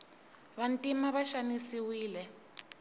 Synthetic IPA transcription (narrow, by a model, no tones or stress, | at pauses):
βantʼimaβaʃanisiwiːlɛ